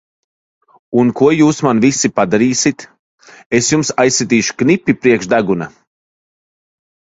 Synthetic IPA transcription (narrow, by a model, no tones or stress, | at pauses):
unkuɔjuːsmanvisipad̪aɾiːsit̪ | esjumsajsːit̪̬iːʃu̥knipʲːipɾiɛkʃd̪aɡuna